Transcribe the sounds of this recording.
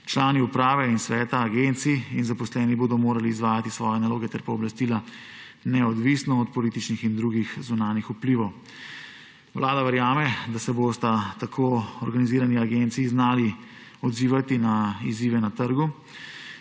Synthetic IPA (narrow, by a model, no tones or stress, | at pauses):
t͡ʃlaːniupɾaːʋɛinsʋɛːt̪aːɡent̪siinzapɔslɛːniboːd̪ɔmoːɾaliːzʋaːjat̪isʋɔːjɛnaloːɡɛt̪ɛɾpaɔblast̪ila | nɛɔd̪ʋisnɔːt̪pɔlit̪it͡ʃnixind̪ɾuɡixzunaːnixupliːʋɔw | ʋlʔaːd̪aʋɛɾjaːmɛd̪asɛboːst̪at̪akʰoːɔɾɡaniziːɾaniaɡent̪siːznaːli | ɔd̪ziːʋat̪inaiziːʋɛnat̪əɾɡu